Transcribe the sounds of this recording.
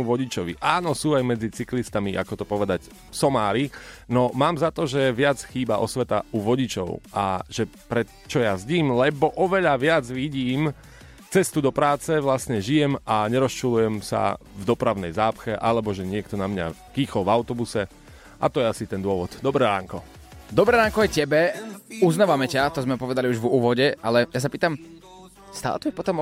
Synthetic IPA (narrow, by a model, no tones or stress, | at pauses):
uʋɔɟit͡ʃɔʋḭʔaːnɔsuːajmɛd͡zit͡siklist̪amiʔa̰kɔt̪ɔpɔʋɛd̪ac | sɔmaːɾinɔmaːmzat̪ɔʒɛʋɪad͡zxiːbaʔɔsʋɛt̪auʋɔɟit͡ʃɔ̰ʊʔa̰ʒɛpɾɛ | t͡ʃɔjazɟiːmlɛbɔʔɔʋɛʎaʋɪad͡zʋiɟiːm | t͡sɛst̪ud̪ɔpɾaːt͡sɛʋlasɲɛʒijɛmaɲɛɾɔst͡ʃulujɛmsa̰ | vd̪ɔpɾaʊnɛjzaːpxɛʔalɛbɔʒɛɲɪɛk̚t̪ɔnamɲa̰kiːxɔlvaʊt̪ɔbusɛ | ʔa̰t̪ɔjɛasit̪ɛnd̪ʊɔʋɔd̪d̪ɔbɾɛɾaːŋkɔ | d̪ɔbɾɛɾaːŋkɔjɛcɛbɛuznaʋamɛcat̪ɔzmɛpɔʋɛd̪aliuʒvuːʋɔɟɛʔalɛjas̬apiːt̪am | st̪a̰lt̪ujɛpɔt̪ɔm